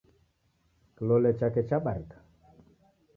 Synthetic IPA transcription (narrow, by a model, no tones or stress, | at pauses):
kilɔlɛt͡ʃakɛt͡ʃaɓaɾikḁ